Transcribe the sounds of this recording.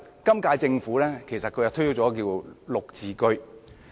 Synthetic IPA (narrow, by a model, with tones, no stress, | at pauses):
kɐ˥mkaː˧jt͡sɪ˧ŋfuː˨˥lɛː˥kʰe˨˩jsɐ˨t̚kʰɵ˨˧jwt̪ʰɵ˥jo˥wt͡sɔː˨˦˥k̬iː˧wlʊ˨k̚t͡siː˨˩kɵ˥ɥ